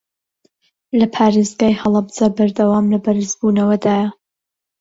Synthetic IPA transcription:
lɐpʰaːɾezɡaːjhɐlˠɐbzabɐɾd̪ɐwaːmlɐbɐɾɨzbuːnɐwɐd̪aːjɐ

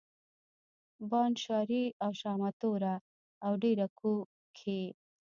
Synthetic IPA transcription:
wɑːnʃaːɾiawʃɑːmat̪oɾa | awɖeːɾaku | kʰe

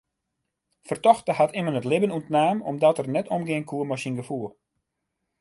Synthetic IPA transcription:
fərtɔxtəhatɪmənətlɪbənuəntnaːmɔ̰mdɔtərnɛtʰɔmɡɪənkʰuːəmɔsinɡəfuəlˠ

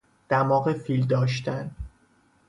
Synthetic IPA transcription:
d̪̥æmɒːɣefild̪ɒːʃt̪ʰæn

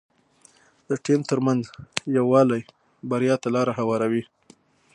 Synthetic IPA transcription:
d̪əʈimt̪əɾmanzjawɑlaj | baɾijɑt̪alɑɾaɦawɑɾawi

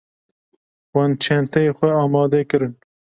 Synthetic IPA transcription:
wɑnt͡ʃʰɛnt̪ɛjexʷɛɑːmɑːd̪ɛkɨɾɨn

